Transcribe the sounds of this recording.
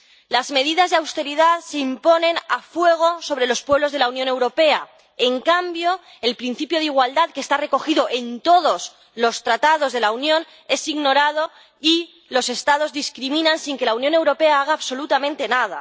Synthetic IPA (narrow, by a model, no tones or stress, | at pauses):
lazme̞ð̞iðazðeawst̪e̞ɾiðaðse̞impo̞nẽ̞nafwe̞ɣ̞o̞so̞βɾe̞lo̞spweβlo̞zð̞e̞launjõ̞ne̞wɾo̞pe̞a | eŋkambjo | e̞lpɾin̟θipjo̞ðiɣ̞wald̪aðkest̪are̞ko̞xiðo̞ʔe̞nt̪o̞ðo̞z | lo̞st̪ɾat̪aðo̞zðe̞launjõ̞n | e̞siɣno̞ɾað̞o̞ | i | lo̞se̞st̪að̞o̞zðiskɾimĩnansiŋke̞launjõ̞ne̞wɾo̞pe̞aaɣ̞aːβso̞lut̪amẽnt̪e̞naða̰